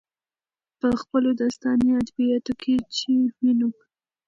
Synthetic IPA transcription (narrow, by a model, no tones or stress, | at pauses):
pəxpəlod̪ɑst̪ɑnead̪bijɑt̪okʰet͡ʃeminu